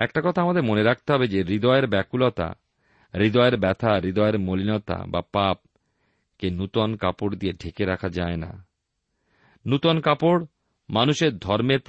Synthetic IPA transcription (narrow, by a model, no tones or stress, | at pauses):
ɛk̚ʈakɔt̪ʰaamad̪eɾmoneɾak̚ʰt̪eɦɔbed͡ʑeɾid̪ɔeeɾbɛkulɔt̪a̰ | ɾid̪ɔeeɾbɛt̪ʰaɾid̪ɔeɾmolinɔt̪a̰ba̰pap̚ | kenut̪onkapoɽd̪ieɖʱekeɾakʰad͡ʑaena̰ | nut̪onkapoɽ | manuʃeɾd̪ʱɔɾmeɾp